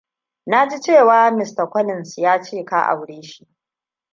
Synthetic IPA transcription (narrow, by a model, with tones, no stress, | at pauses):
na˦d͡ʒi˦t͡ʃeː˦˨waː˦mɪ˨sta˨kʷɔ˦lɪ˨nsjaː˦t͡ʃeː˦˨ka̰˦ʔa̰˨wɽeː˦ʃi˦ʔ